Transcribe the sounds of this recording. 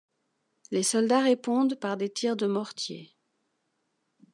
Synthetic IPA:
lesɔld̪aʁepɔ̃d̪paʁd̪et̪ʰiʁd̪əmɔʁt̪jḛ

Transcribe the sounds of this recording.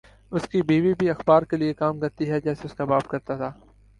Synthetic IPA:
ʊskibiːbibʱiɐxbaːɾkeliekaːmkɐɾt̪iɦɛd͡ʒɛːseʊskabaːbkɐɾt̪at̪ʰaː

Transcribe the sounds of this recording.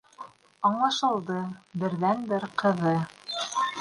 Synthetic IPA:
ɑɴlˠɑʃɤ̆lˠd̪ɤbɘ̆ɾðænbɘɾqɤ̆ðɤ

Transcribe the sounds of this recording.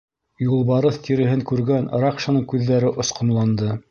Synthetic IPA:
julˠβɑɾɤθt̪iɾɘ̆ɦɘŋkʉɾɡænɾɑqʃɑnɤɴkʉðːæɾɘʔŏsqŏmlˠɑnd̪ɤ

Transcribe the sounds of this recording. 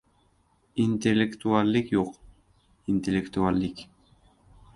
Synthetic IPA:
inʲt̪ʲelʲːekt̪ualʲːikjuq | inʲt̪ʲelʲekt̪ualʲːik

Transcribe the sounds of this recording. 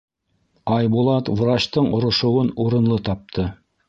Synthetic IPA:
ɑjbulˠɑt̪wvɾɑt͡ɕt̪ɤɴŏɾŏʃŏwɤnuɾɤ̆nlˠɤt̪ɑp̚t̪ʰɤ

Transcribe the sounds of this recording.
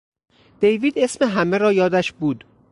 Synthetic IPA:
d̪̥e̞jviːd̪e̞smeɦæmeɾɒːjɒːd̪æʃbuːd̪

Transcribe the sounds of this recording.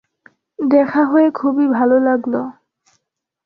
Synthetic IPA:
d̪ɛkʰaɦoekʰubibʱalolaɡlo

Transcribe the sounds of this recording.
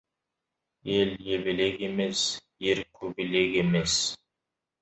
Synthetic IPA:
eljeβɪlekemes | eɾkʲʰɵbɪlekemes

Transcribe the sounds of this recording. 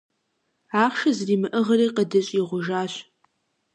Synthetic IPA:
aːχʃɐzriːmɨʔɨʁɐɾiːqədɐɕʼiʁʷʊʒaːɕ

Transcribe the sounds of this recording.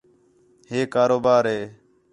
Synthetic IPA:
ɦeːkaːɾoːbaːɾɦeː

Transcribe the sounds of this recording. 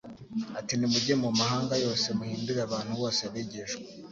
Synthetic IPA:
atinimuɟemumahaːŋɡajo̞ːse̞muhiːnduɾaβaːn̥huβo̞ːseβeɟeʃɡwe

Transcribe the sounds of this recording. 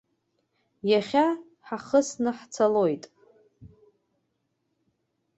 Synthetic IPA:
jaχʲa | ħaχəsnɨħt͡sʰalo̞jtʼ

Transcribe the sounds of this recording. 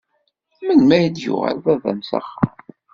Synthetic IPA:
mənmæjd̪jʊ̰ʁæ̰lvævæ̰msə̰χ

